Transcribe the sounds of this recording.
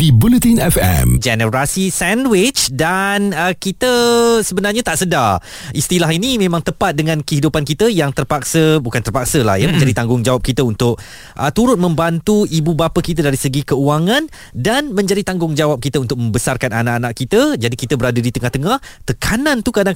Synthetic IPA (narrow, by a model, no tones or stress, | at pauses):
dibulət̪inɛfɛ̰md͡ʒɛnəɾasisɛndwɪt͡ʃdanəkit̪əsəbənarɲat̪aʔsədar | ʔist̪ilaɦinimẽmãŋt̪əpat̪̚dəŋãnkəɦidupankit̪əjaŋt̪ərpak̚səbukant̪ərpak̚səla̰hjəmə̃ɲd͡ʒadit̪aŋɡʊŋd͡ʒawap̚kit̪əunt̪ʊk̚ | ʔət̪uɾʊt̪̚mə̃mbant̪uibubapakit̪̬adaɾisəɡikəuaŋãn | danmə̃ɲd͡ʒadit̪aŋɡʊŋd͡ʒawap̚kit̪əunt̪ʊk̚mə̃mbəsarkananaʔanãʔkit̪əd͡ʒadikit̪əbəɾadadit̪əŋaht̪əŋaht̪əkʰanãnt̪ukadaŋ